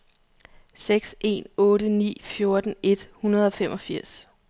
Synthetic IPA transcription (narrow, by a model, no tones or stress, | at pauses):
seɡ̥sʔe̝̰ːnɔ̽ːɾənḭːfjo̝ɐd̥n̩e̝d̥hunɐð̞ˠɒ̽fem̰ʔɒ̽fiɐ̰s